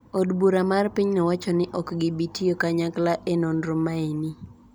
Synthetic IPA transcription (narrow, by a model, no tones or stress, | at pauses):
odbuɾamarpiɲnɛwat͡ʃɔnɪʔɔkɡɪbitiokaɲaklaʔenonɾʊmːaeni